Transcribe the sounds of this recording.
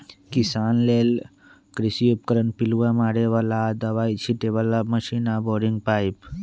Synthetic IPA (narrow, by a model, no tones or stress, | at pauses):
kisanlel | kɾisiup̚kəɾəɳpiluʋamaɽeʋalad̪əʋajt͡ɕʰiʈeʋalaməɕinabɔɖiŋɡ̚pajp